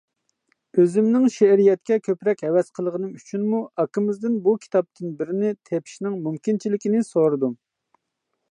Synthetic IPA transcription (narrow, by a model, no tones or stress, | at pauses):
øzɪmnɪŋʃɛɾijɛt̪̚kʲɛkʲʰøpɾɛkʲɦɛwɛzqʰəlˠəʁənɨmyt͡ʃʰynmuɑkːəmɪzd̪ɪnbukʲʰi̥t̪ʰɑp̚t̪ʰɨnbɪɾɪnɪt̪ʰɛpʰi̥ʃnɪŋmumkʲint͡ʃʰilɪkʲinɪsoɾɨd̪um